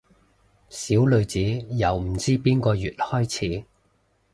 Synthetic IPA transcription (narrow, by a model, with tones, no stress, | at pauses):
siː˨˥wlɵ˧ɥt͡siː˨˥jɐ˨wm̩˨˩t͡siː˥piː˥nkɔː˧jyː˨˩t̚hɔː˥jt͡sʰiː˨˥